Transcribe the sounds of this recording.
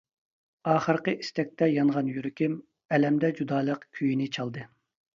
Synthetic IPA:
ɑːχəɾqəʔist̪ɛk̚ʲt̪ɛjɑnʁɑnjyɾykʲɪm | ɛlɛmd̪ɛd͡ʒud̪ɑːlˠəqkʲʰyjinɪt͡ʃʰɑlˠd̪ɨ

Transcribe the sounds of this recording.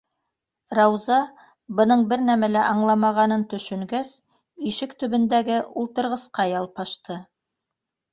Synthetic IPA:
ɾɑwzɑ | bɤ̆nɤɴbɘɾnæmælæʔɑɴlˠɑmɑʁɑnɤnt̪ɵ̆ʃɵ̆ŋɡæs | iʃɘkt̪ɵ̆βɘ̆nd̪æɡɘʔulˠt̪ɤ̆ɾʁɤ̆sqɑjɑlˠpɑʃt̪ɤ

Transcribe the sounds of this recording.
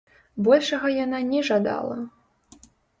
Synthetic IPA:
bɔlʲʂɐɣɐjananʲɛʐad̪a̰lˠɐ̰

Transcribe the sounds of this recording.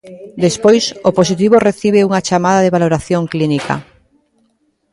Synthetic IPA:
d̪espojsopos̬it̪̬iβ̞oreθiβ̞euŋat͡ʃamað̞aðeβaloɾaθjoŋklinika̰

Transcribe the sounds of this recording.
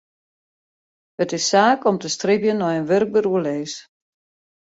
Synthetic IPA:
ətɪsːaːkɔmtəstribjənɔjənʋørk̚bəruəleːs

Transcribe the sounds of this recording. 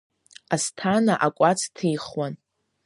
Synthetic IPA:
astʰanaʔakʷʼat͡sʰtʰijχwan

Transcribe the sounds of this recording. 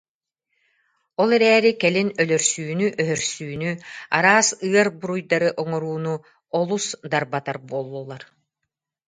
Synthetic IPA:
ɔlˠɛɾɛːɾikɛlinœlœɾsyːnyʔœɦœɾsyːnyaɾaːsɯɐɾbuɾujd̪aɾɯʔɔŋɔɾuːnu | ɔlˠusd̪aɾbat̪aɾbuɔlˠːulˠːaɾ

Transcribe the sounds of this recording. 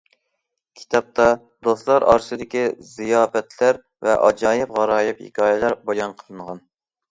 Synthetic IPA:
kʲʰi̥t̪ʰɑp̚t̪ʰɑ | d̪oslˠɑɾɑ̰ɾsɨd̪ɪkʲizijɑːfɛt̪ʰlæɾ | vɛʔɑ̰d͡ʒɑːjɪpʁɑɾɑːjɪphḭkʲʰɑːjɛlæɾbɑjɑnqʰəlˠɨɴʁɑn

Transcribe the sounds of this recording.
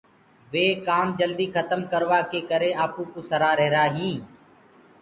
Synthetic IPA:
ʋeːkaːmd͡ʒəld̪iːkʰət̪əmkəɾʋaːkeːkəɾeːaːpũːkuːsəɾaːɾɛɦɾaːɦĩː

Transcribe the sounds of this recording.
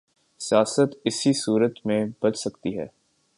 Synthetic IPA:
sijaːsət̪ɪsisuːɾət̪mẽbɐt͡ʃsɐkt̪iɦɛ̰ː

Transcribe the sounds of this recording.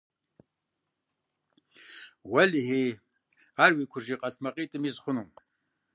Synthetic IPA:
wɐliheː | aːrwiːkʷʰʊrʒiːqʼɐtʰmɐqʼiːtʼɨmizχʷʊnum

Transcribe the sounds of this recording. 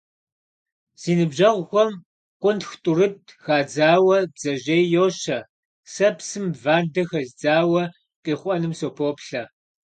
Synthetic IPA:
z̥iːnɨbʑɐʁʷxʷɔm | qʷʼʊntxtʼʊrɨt̚xaːd͡zaːwɐbz̥ɐʑejjoːɕɐ | sɐpsɨmvaːrdɐxɐzd͡zaːwɐ | qʼiːχʷʼɔnɨmsoːpʰoːpɬɐ

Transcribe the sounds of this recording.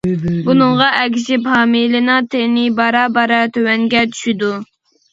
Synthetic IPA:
bunɨŋʁɑʔɛk̬ʲʰɪʃɪphɑːmilɨnɑt̪ʰenɪbɑɾɑbɑɾɑt̪ʰøwɛŋɡʲɛt͡ʃʰy̥ʃid̪u

